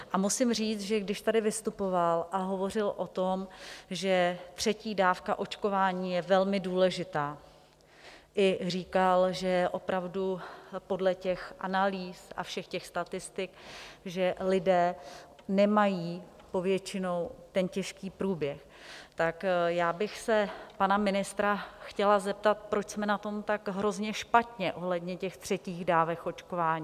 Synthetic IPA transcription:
ʔamusɪmriːt͡sʒɛɡdɪʃt̪adɪvɪst̪upo̞valʔaɦo̞vo̞r̝ɪlʔo̞t̪o̞mʒɛt̪r̝̥ɛciːdaːfkaʔo̞t͡ʃko̞vaːɲiːjɛvɛlmɪduːlɛʒɪt̪aː | ʔɪr̝iːkalʒɛjɛʔo̞pɾavdupo̞dlɛcɛxʔanaliːsʔa̰fʃɛxcɛxst̪at̪ɪst̪ɪkʒɛlɪdɛː | nɛmajiː | po̞vjɛt͡ʃɪno̞wt̪ɛncɛʃkiːpɾuːbjɛx | t̪akjaːbɪxsɛpanamɪnɪst̪ɾaxcɛlazɛp̚t̪at̪̚pɾo̞t͡ʃsmɛnat̪o̞mt̪akɦɾo̞zɲɛʃpat̪ɲɛʔoɦlɛdɲɛcɛxt̪r̝̥ɛciːɣdaːvɛxʔo̞t͡ʃkovaːɲiː

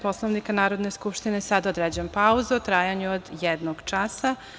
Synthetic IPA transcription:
po̞slˠoʋnikanaːɾo̞d̪ne̞skupʃt̪inesad̪od̪ɾed͡ʑempauzuot̪ɾaːjaɲuod̪jed̪noɡ̥t͡ʃasa

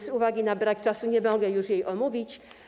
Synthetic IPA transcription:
zuvaɡʲinabɾak̚t͡ʂasuɲɛmɔɡɛjuʂjejʔɔmuvʲit͡ɕ

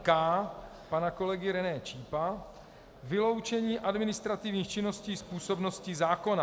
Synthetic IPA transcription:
kaː | panako̞lɛɡɪɾɛnɛːt͡ʃiːpa | vɪlo̞wt͡ʃɛɲiːʔadmɪnɪst̪ɾat̪ɪvɲiːxt͡ʃɪno̞sciːspuːso̞bno̞scɪzaːko̞na

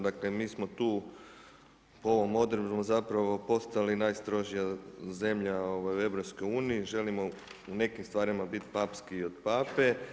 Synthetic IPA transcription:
d̪akle̞miːsmo̞t̪uː | poo̞ʋo̞mo̞d̪ɾeusmozapɾaʋo̞po̞st̪alinajst̪ɾo̞ʒijaze̞mʎao̞ʋajue̞ʋɾopsko̞juːniːʒe̞limo̞une̞kimst̪ʋaːɾimabit̪paːpskiːo̞d̪paːpe̞

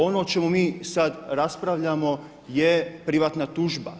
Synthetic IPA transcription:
o̞not͡ʃe̞mumiːsad̪ɾaspɾaʋʎamo | jepɾiʋaːt̪nat̪uːʒba̰

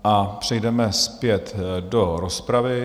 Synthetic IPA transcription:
ʔapr̥ɛjdɛmɛspjɛt̪doɾospɾavɪ

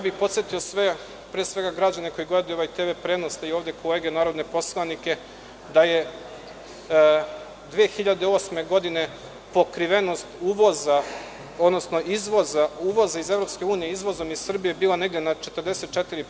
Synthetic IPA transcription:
jabixpo̞t̪sjet̪io̞sʋe | pɾeesʋe̞ɡaɡɾad͡ʑane̞ko̞iɡled̪ujoʋajt̪eʋepɾed̪nosd̪aio̞ːʋd̪eko̞leːɡe̞naːɾo̞d̪ne̞po̞slˠanike̞ | d̪aje | d̪ʋijexiʎad̪eo̞ːsme̞ɡo̞d̪ine̞ | po̞kɾiʋe̞no̞st̪uːʋo̞za | o̞d̪no̞sno̞ʔizʋo̞zauːʋo̞zaize̞vɾo̞pske̞uːnijeizʋo̞zo̞mizsr̩bije̞biːlˠane̞ɡd̪enat͡ʃe̞t̪ərd̪e̞set̪̚t͡ʃet̪iɾi

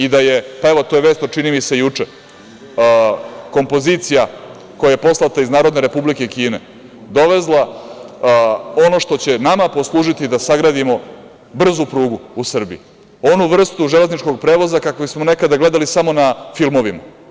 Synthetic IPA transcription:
id̪aje̞pae̞ʋo̞t̪o̞jeʋe̞ːst̪ot͡ʃinimise̞jut͡ʂe | ko̞mpo̞ziːt̪sija | ko̞jajepo̞slˠat̪aiznaːɾod̪ne̞ɾe̞publike̞kiːne | d̪o̞ʋe̞zlˠa | o̞no̞ʂt̪o̞t͡ɕe̞namapo̞slˠuːʒit̪id̪asaɡɾaːd̪imo̞ | br̩zupɾuːɡuusr̩biḭ | o̞nuʋr̩st̪uʒele̞znit͡ʃko̞ɡ̚pɾeːʋo̞zakakobismo̞ne̞kad̪aɡle̞d̪alisamo̞nafilˠmo̞ʋima

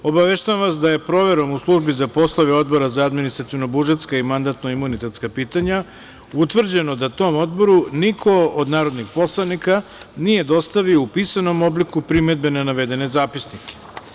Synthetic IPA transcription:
o̞baʋeʃt̪aamʋasd̪aje̞pɾo̞ʋe̞ɾo̞muslˠuʒbizapo̞slˠaʋeo̞d̪bo̞ɾazaːd̪minist̪ɾat̪iono̞buʒet̪skaimand̪at̪no̞imunit̪e̞t̪skapiːt̪aɲa | ut̪ʋr̩d͡ʑe̞no̞d̪at̪o̞mo̞d̪bo̞ɾunikʰo̞od̪naːɾod̪nixpo̞slˠanikanije̞d̪o̞st̪aʋioupisano̞mo̞blikupɾime̞d̪be̞nenaʋe̞d̪e̞nezaːpisnike̥

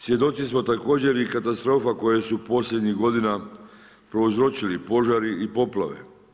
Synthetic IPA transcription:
sje̞d̪o̞sismo̞t̪ako̞ːd͡ʑe̞ɾikat̪ast̪ɾo̞ːfako̞jesupo̞slʎʲe̞d̪ɲiɣɡo̞d̪ina | pɾo̞uzɾo̞t͡ɕilipo̞ʒaɾiipo̞plˠaʋe̞̰

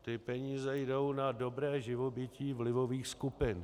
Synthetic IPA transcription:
t̪ɪpɛɲiːzɛjdo̞wnado̞bɾɛːʒɪvo̞bɪciːvlɪvo̞viːxskupɪn

